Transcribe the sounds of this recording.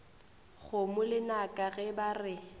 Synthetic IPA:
ɣʊmʊlɪnakʼaɣɛbarɪ

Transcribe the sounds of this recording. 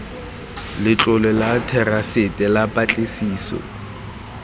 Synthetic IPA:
lɪt͡ɬʼʊlɛlatʰɛrasɪtʼɛlapʼat͡ɬʼesiːsɔ̰

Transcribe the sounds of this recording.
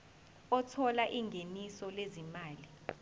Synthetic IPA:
ɔtʰɔlaʔiŋʱenisɔlezimaːli

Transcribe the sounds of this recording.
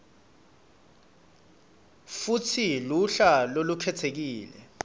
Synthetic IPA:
futʰiluɬalolukʰɛtʰek̬iːlɛ̰

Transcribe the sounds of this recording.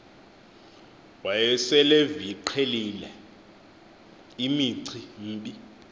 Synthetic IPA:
wajɛsɛleviǃʰelilɛ | imiǀʰim̩ːɓi

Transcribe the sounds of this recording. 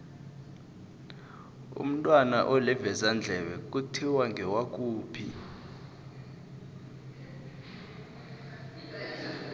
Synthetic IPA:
ṵm̩tʼwana̰ʔɔlɛvɛzand͡ɮʱɛɓɛk̬ʼutʰiwaŋɡʱɛwak̬ʼuːpʰḭ

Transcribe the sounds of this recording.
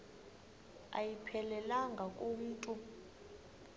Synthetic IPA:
a̰jipʰɛlɛlaŋɡʱakʼum̩ːtʼu

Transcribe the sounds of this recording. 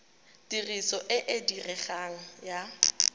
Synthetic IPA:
tirisɔʔɪʔɪdirɛχaŋ̩ja

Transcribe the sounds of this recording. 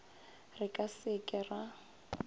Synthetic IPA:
rɪkʼasɪkʼɪra

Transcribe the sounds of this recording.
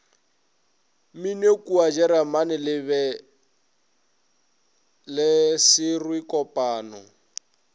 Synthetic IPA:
minekʼuad͡ʒɛɾamanɪlɪbɛ | lɪsɪrwikʼɔpʼaːnɔ

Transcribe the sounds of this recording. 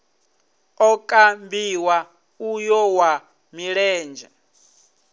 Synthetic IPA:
ɔkʼambiwa | ujɔwa | miɺɛːnd͡ʒɛ

